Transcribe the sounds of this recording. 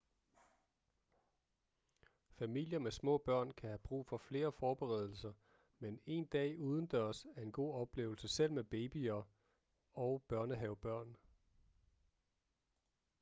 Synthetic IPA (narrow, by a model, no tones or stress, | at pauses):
fæmil̰jɐmesmɔ̰̽ːb̥ɶɐ̰nkʰæhæb̥ʁṵːfɒ̽fle̝ːɐfɒːb̥eʁɛð̞ˠl̩sɐ | mene̝ːnd̥ɛ̰ːuːð̞ˠn̩d̥ɶɐ̰sæɐe̝nɡ̥o̝̰ːɒ̽b̥le̝̰ːʊl̩səsel̰meb̥eːb̥iɐ | ɒʊb̥ɶɐnəɦɛʊb̥ɶɐ̰n